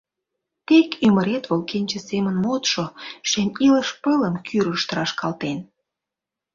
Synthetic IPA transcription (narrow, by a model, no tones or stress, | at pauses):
t̪ekyməɾet̪βolkenʲt͡ɕəsemənmot̪ʃoʃemʲiləʃpələmkʰyɾəʃt̪əɾɑʃkɑlt̪en